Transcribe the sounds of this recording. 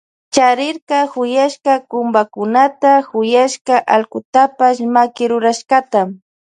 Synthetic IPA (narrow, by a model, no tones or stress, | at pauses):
t͡ʃaɾɪɾkɑxʊjaʃkakʊmbakʊnat̪axʊjaʃkaʔalkʊt̪apaʃmakɪɾʊɾaʃkat̪am